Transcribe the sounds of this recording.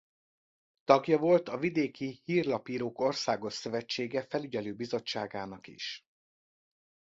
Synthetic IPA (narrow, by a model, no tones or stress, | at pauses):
t̪ɒɡjɒvo̞lt̪ɒvid̪eːkihiːrlɒpiːɾoːko̞rsaːɡo̞ʃsø̞vɛt͡ʃːeːɡɛfɛlyɟɛløːbizo̞t͡ʃːaːɡaːnɒkḭʃ